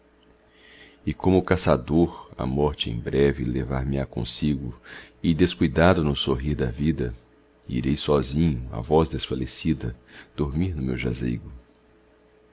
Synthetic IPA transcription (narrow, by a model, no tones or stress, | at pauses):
ɪkõmʊkasad̪oɾa̰mɔɾt͡ʃɪḛ̃j̃bɾɛvɪlevaɾmɪakõ̰siɡʊɪd̪eskujd̪ad̪ʊnʊsoɦiɾd̪ɐvid̪ɐ | ḭɾejsɔzĩɲʊa̰vɔzd̪esfalesid̪ɐd̪̥oɾmiɾnʊmewʒa̰zḛjɡʊ